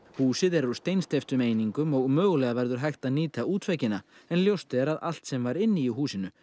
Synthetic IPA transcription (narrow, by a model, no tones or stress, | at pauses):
huːsɪðɛɾust̪ejnst̪ejft̪ʏmeːjniŋkʏmɔɣmœːɣlɛɣavɛɾðʏɾ̥ɦajxt̪aðniːt̪auːt̪vɛcɪnaɛnljowst̪ɪɛɾaða̰l̥t̪sɛmvaɾɪnːɪiɦuːsɪnʏ